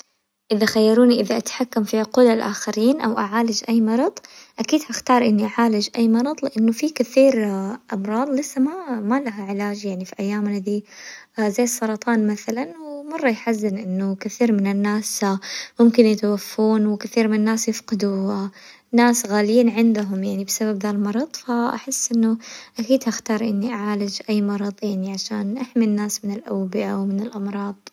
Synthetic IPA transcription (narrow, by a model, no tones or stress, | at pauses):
ʔɪðaxajːɑɾuːniʔɪðaʔat̪ħakːamfiquːlalʔa̰ːxaɾiːnʔa̰wʔaʕaːlɪd͡ʒʔajːmɑɾˤɑðˤʔakiːd̪haxt̪ɑːɾˤʔɪnːiʔaʕaːlɪd͡ʒʔajːmɑɾˤɑðˤlɪʔanːʊfikɪθiːɾʔɑmɾˤɑːd̪ˤlɪsːamamalaɦaʕɪlaːd͡ʒjaʕnifiʔajːaːmɪnad̪iːzajːsˤːɑɾˤɑt̪ʰˤɑːnmaθalanwɪmɑrˤːɑjħazːɪnʔɪnːʊkɪθiːɾmɪnɪnːaːsmʊmkɪnjɪt̪awafːuːnwɪkɪθiːɾmɪnɪnːaːsjɪfqɑd̪u | nːaːsɣaːljiːnʕɪnd̪aɦʊmjaʕnibsababðaːlmɑɾˤɑðˤfaʔa̰ħɪsːʔɪnːʊʔakiːd̪haxt̪ɑːɾˤʔɪnːiʔaʕaːlɪd͡ʒʔajːmɑɾˤɑðˤjaʕniʕaʃaːnʔaħminːaːsmɪnɪlʔawbɪʔawmɪnɪlʔɑmɾˤɑːd̪ˤ